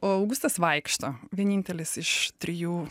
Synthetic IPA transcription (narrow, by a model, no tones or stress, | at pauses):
oːɐʊɡʊst̪ɐsʋɐɪkʃt̪oːʋʲiɛnʲiːnʲt̪ʲɛlʲɪsɪʃt̪ʲɾʲɪjuː